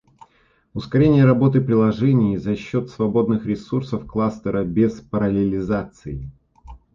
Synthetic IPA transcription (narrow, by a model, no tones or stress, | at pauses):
ʊskɐɾʲenʲɪjəɾɐbo̞t̪ɨpɾʲɪlˠɐʐɛnʲɪjizɐɕːo̞t̪svɐbo̞d̪nɨxɾʲɪsursəfklˠast̪əɾəbʲespəɾɐlʲɪlʲɪzat̪sɨ̰ɪ